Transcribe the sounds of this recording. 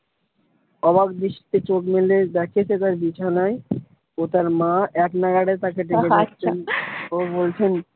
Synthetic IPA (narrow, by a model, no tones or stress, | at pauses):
ɔbakd̪iʃt̪et͡ɕokmeled̪ɛkʰet͡ɕʰet̪̬aɾbit͡ɕʰanaj | ot̪aɾmãɛknaɡaɽet̪akeʈiket͡ɕʰenobolt͡ɕʰen